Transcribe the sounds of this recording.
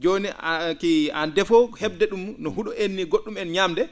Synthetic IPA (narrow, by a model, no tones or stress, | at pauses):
d͡ʒoːnikiandɛfɔhɛbdɛɗumnɔhuɗɔʔenːiɡoɗːumɛnɲaːmdɛ